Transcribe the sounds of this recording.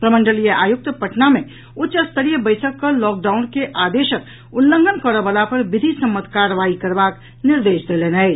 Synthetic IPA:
pɾəmə̃ɳɖəlijəʔaːjʊk̚t̪əpəʈnamẽ | ʊtːʃəst̪ʰəɾijəbəɪsʰəkːəlɔːk̚ɖaːʊnkeʔaːd̪eːʃək | ʊlːə̃ŋɡʱənkəɾəbəlapɐɾʋɪd̪ʱisəmːət̪ʰkaɾʋaːikəɾbaːk | nɪɾd̪eːʃd̪elenɦɛɛ

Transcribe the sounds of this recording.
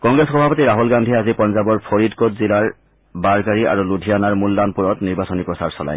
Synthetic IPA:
kɔŋɡɹesxɔbʱapɔtiɹaɦulɡandʱiazipɔnzabɔɹpʰoɹidkotzilaɹ | baɹkaɹiʔa̰ɹuludʱijanaɹmulːanpuɹɔtniɹbasɔnipɹɔsaɹsɔla̰j

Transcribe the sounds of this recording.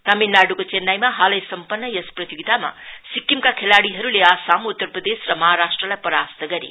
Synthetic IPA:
t̪aminːaɽukot͡senːajmaɦalʌjsʌmpʌnːʌjʌsprʌt̪joɡit̪ama̰sikːimkakʰelaɽiɦʌɾuleaːsamut̪ːʌrprʌd̪esrʌmʌɦaɾasʈrʌlajpʌɾast̪əɡʌɾḛ

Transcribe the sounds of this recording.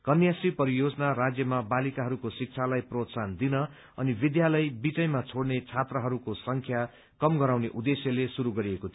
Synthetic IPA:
kʌnjasripʌɾijod͡zʌnarad͡zjʌmabalikaɦʌɾukosik̚t͡sʰalajprot̪sand̪inʌ | ʌnibid̪jalʌjbid͡zʌjmat͡sʰoɽnet͡sʰat̪rʌɦʌɾukosʌŋkʰja | kʌmɡʌɾawneʔud̪esjʌlesuɾuɡʌɾiekot̪ʰ

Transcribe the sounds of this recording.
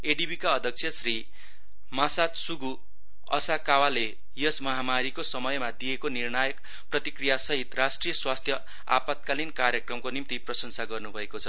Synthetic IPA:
eɖibʱikaʌd̪ʱʌk̚t͡sʰjʌsri | masat̪suɡu | ʌ̰sakawale | jʌsmʌɦamaɾikosʌmʌjmad̪ijekonirnajʌk | prʌt̪ikrijasʌɦit̪rasʈrijʌswast̪ʰjʌ | a̰pat̪̚kalinkarjʌkrʌmkonimt̪iprʌsʌnsaɡʌrnubʱʌekot͡sʰʌ

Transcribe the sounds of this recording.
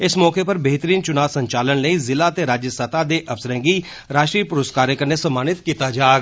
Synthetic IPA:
ɪsmɔːkeːpəɾbəɦt̪əɾiːnt͡ʃʊnaːʋsəɲt͡ʃaːlənləiːzɪlaːt̪eːɾaːd͡ʒjəsət̪aːd̪eːʔəpsəɾə̃ːŋɡiː | ɾaːʃʈɾiːpʊɾəskaːɾjəkəɾnesəmaːnɪt̪kiːt̪aːd͡ʒaːɡ

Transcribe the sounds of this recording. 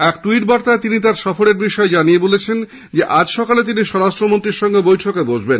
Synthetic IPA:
ɛkt̪uiʈ̚baɾt̪aet̪init̪aɾʃɔfoɾeɾbiʃɔed͡ʑanijebolet͡ɕʰen | d͡ʑeʔad͡ʑʃɔkalet̪̬iniʃɔɾaʃʈɾomont̪ɾiɾʃɔŋɡebojʈʰokebod͡ʑʱben

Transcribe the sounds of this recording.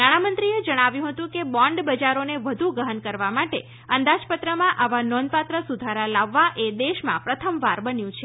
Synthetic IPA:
naɽ̃amənt̪ɾied͡ʒəɽ̃aʋjũɦət̪ũkebɔ̃ɳɖbəd͡ʒaɾoneʋəd̪ʱuɡəɦənkəɾʋamaʈe | ənd̪ad͡ʒpət̪ɾəmãʔaʋanɔn̚pat̪ɾəsud̪ʱaɾalaʋːaʔed̪eʃmã̰pɾət̪ʰəmʋaɾbənjũt͡ʃʰe

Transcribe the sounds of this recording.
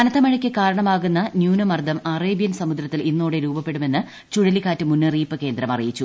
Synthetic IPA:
ɐnɐt̪ːɐmɐɻɐkʲːɨkaːɾɐɳɐmaːɣunːɐnjuːnɐmɐrd̪ʱɐmareːbijɐnsɐmud̪ɾɐt̪ːilinːoːɽeɾuːbɐpːe̞ɽume̞nːɨ | t͡ɕuɻɐlikaːtːɨmunːɨriːpːɨke̞ːnd̪ɾɐmɐrijit͡ɕːu

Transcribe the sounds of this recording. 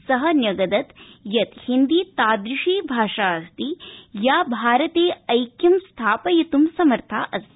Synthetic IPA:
sɐɦɐnjɐɡɐd̪ɐt̪jɐt̪hind̪it̪aːd̪ɾiʂiːbʱaːʂaːɐst̪ijaːbʱaːɾɐt̪eːɐjkjɐmst̪ʰaːpɐjɐt̪umsɐmɐɾt̪ʰaːʔɐst̪i

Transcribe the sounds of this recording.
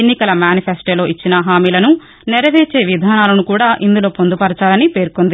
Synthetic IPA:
enːikɐlɐmjaːnipʰesʈoːlo̞ːʔit͡ʃːinɐɦaːmiːlɐnu | nɛɾɐʋeːt͡ʃe̞ːʋid̪ʱaːnaːlɐnukuːɽaːʔind̪ulo̞ːpond̪upɐɾɐt͡ʃaːlɐnipe̞ːɾukond̪i

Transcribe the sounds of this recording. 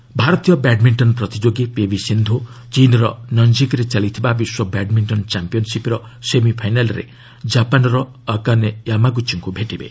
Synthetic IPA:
bʱaɾɔt̪ijɔbaɖmiɳʈɔnpɾɔt̪id͡ʒoɡipebisind̪ʱut͡ʃinɔɾɔ̰nɔnd͡ʒikɔɾet͡ʃalit̪ʰibabiswɔbaɖmiɳʈɔnt͡ʃampijɔnsipɾɔ | semipʰajnalɔɾḛ | d͡ʒapanɔɾɔː | kanejamaɡut͡ʃiŋkubʱeʈibḛ

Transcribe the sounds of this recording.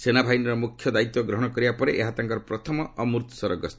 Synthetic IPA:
senabʱajnɔɾɔmukʰjɔd̪ait̪wɔɡɾɔɦɔɽ̃ɔkɔɾibapɔɾeʔeɦat̪aŋkɔɾɔpɾɔt̪ʰɔmɔːmuɾt̪sɔɾɔɡɔst̪

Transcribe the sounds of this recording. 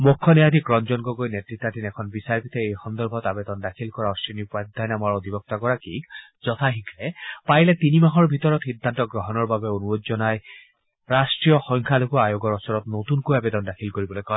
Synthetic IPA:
mokʰːɔnɛjad̪ʱikɹɔnzɔnɡɔɡojnɛtɹit̪ːadinɛkʰɔnbisaɹpit̪ʰɛejxɔnd̪ɔɹbʱɔtabɛd̪ɔndakʰilkɔɹaɔsɹinipad̪ʱajnamaɹod̪ibɔk̚t̪akɔɹakḭkzɔt̪ʰaɦiklɛpajlɛt̪inimaɦɔɹbʱit̪ɔɹɔtxid̪ʱːantɔɡɹɔɦɔnɔɹbabɛonuɹod͡ʒzɔnaj | ɹasʈɹijɔxɔŋkʰalokɔajoɡɔɹɔsɔɹɔtnot̪unkojabɛd̪ɔndakʰilkoɹibɔlojkɔj

